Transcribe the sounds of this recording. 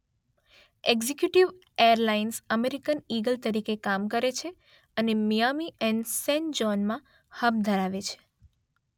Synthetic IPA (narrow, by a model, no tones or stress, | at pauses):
eɡzekjuʈiʋ | ejəɾlainsəmeɾikəniɡəlt̪əɾikekamkəɾet͡ʃʰe | ənemijamiʔɛ̃nsɛ̃nd͡ʒɔnmã | həb̚d̪ʱəɾaʋet͡ʃʰe̥